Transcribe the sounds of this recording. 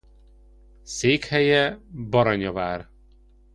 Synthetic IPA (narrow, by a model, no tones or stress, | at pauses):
seːkhɛjɛbɒɾɒɲɒvaːr